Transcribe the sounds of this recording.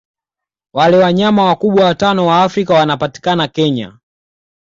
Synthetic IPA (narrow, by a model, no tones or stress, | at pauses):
walɛwaɲamawakuɓwawatanɔwaːfɾikawanapati̥kanakɛɲa̰